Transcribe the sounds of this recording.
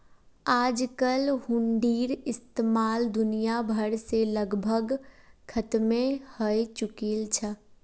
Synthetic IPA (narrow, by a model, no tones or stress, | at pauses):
ad͡ʒkəlhuɳɖiːɾɪst̪emald̪unijabʱəɾseləɡbʱəɡkʰət̪mehəjt͡ʃukilt͡ʃʰə